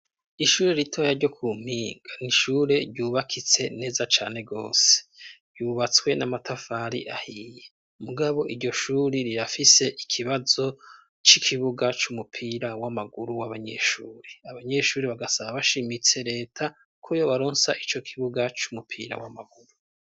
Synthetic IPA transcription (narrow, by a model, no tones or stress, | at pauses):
iʃuːɾe̞ɾitʰoːjaɾɟo̞kʰum̥iːŋɡaniʃuːɾe̞ɾɟuːβakʰit͡se̞ne̞ːzat͡ʃaːne̞ɡo̞ːse̥ɾjuːβat͡swe̞namatʰafaɾḭʔahije | muɡaβo̞ʔiɾɟo̞ʃuːɾiɾiɾafise̞ʔikʰiβazo̞ | t͡ʃikʰiβuɡat͡ʃumupʰiːɾawamaɡuɾuwaβaɲe̞̰ʃuːɾeaβaɲe̞ʃuːɾeβaɡasaβaβaʃimit͡se̞ɾe̞ːtʰa | kʰojoβaɾoːnsaʔit͡ʃo̞kʰiβuɡat͡ʃumupʰḭːɾa̰wa̰maɡuɾu